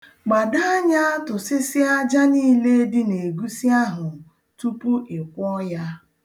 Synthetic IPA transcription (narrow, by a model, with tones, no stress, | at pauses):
ɡ͡ba˨da˦ɲa˦tʊ˨sɪ˦sɪ˦a˦d͡ʒa˦niː˦le˦dɪ˦ne˨ɡu˦sɪ˦a˦ɦʊ˨ | tu˦pu˦ʔɪ˨kʷɔ˦ja˦